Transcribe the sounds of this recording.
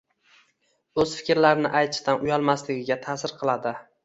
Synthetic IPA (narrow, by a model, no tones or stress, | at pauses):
ɵzfɪ̥kʲɾlaɾɪnɪʔajt̪ʰɪʃt̪anʊjɒlˠmaslɪɡʲɪɡʲat̪ʰasɪɾqʰɨlˠad̪ɪ